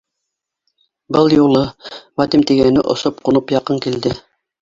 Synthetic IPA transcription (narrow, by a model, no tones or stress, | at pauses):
bɤlˠjulˠɤwɑd̪imt̪iɡænɘʔŏ̰sop̚qunopjɑqɤŋkild̪ɘ